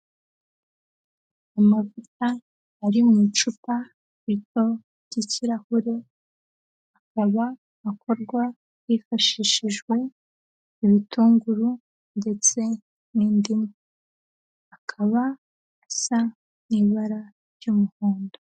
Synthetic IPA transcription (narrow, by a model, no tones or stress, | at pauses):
amavutaː | ɾimŋit͡ʃupa | ito̞ | ɾɟ̥iciɾahuɾe̞ | akaβa | akʰo̞ɾɡwa | βifaʃiːʃiʒɡwe̞ | iβituːŋɡuɾu | nde̞t͡se̞ | niːndima | akʰaβaː | sa | niβaɾa | ɾɟumuhuːndo